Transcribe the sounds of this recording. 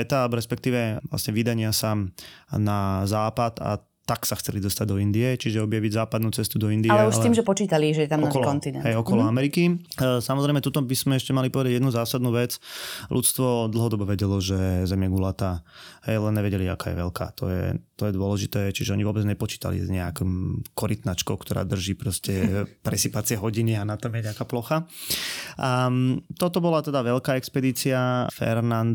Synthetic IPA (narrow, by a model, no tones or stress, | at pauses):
ɛt̪aaːlɛbɔɾɛspɛkt̪iːʋɛʋla̰sɲɛʋid̪aɲɪasanazaːpat̪a̰ | t̪aksaxt͡sɛlid̪ɔst̪aɟd̪ɔind̪iɛt͡ʃiʒɛɔbjaʋiɟzaːpad̪nuːt͡sɛst̪ud̪ɔind̪ialɛuʃalt̪iːmʒɛpɔt͡ʃiːt̪aliʒɛjɛt̪amnɔakɔlkɔnt̪inɛnɦɛjɔkɔlɔɔamɛɾikisamɔzɾɛɪmɛt̪ut̪ɔbiz̥mɛɛʃcɛmalipɔʋɛd̪aɟjɛd̪nuzaːsad̪nuːʋɛt͡slʔṵt͡st̪ʋɔd̪l̩ˠɦɔd̪ɔbɔʋɛɟɛlɔʒɛzɛmjɛɡulat̪aɦɛjlɛnɲɛʋɛɟɛlia̰kaːjɛ̰ʋɛlka̰ːt̪ɔ̰jɛ̰t̪ɔjɛd̪ʊɔlɛʒit̪ɛːt͡ʃiʒɛɔɲiʋʊɔbɛd͡zɲɛpɔt͡ʃi̥ːt̪a̰lḭzɲɛakimkɔɾit̪nat͡ʃkɔʊkt̪ɔɾa̰ːd̪r̩ʒiːpɾɔscɛpɾɛsipat͡sɪɛɦɔɟinianat̪ɔmjɛɲɛakaːplɔxa | ʔat̪ɔt̪ɔbɔlat̪ɛd̪aʋɛʎkaːɛkspɛd̪iːt͡siafɛ̰ɾnand̪